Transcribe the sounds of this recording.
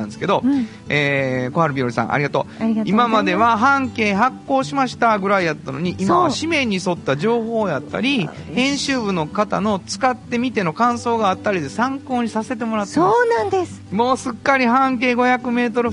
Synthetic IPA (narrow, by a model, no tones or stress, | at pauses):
ãnd̪eske̞d̪o̞ | eːko̞haɾɯ̟bʲiɾoɾʲisã̰ʔa̰ɾʲiɡat̪o̞̰imamad̪e̞βaɦãŋke̞ːɦakːo̞ːɕimaɕi̥t̪aɡɯ̟ɾaijat̪ːano̞̰ɲ̟iʔːmaβaɕimẽ̞ɲ̟ːiso̞t̪ːaʑo̞ːɦo̞ːjat̪ːa̰ɾʲi | hẽ̞ɰ̃ɕɨːbɯ̟no̞kat̪a̰no̞t͡sɨ̥kat̪ːe̞mʲit̪e̞no̞kãɰ̃so̞ːɡaːt̪ːaɾʲid̪e̞sãŋko̞ːɲ̟isase̞t̪̬emo̞ɾat̪ːoːnãnd̪es | mo̞ːsɨkːaɾʲiɦãŋk̬e̞ːɡo̞çakɯ̟me̞ːt̪o̞ɾɯ̟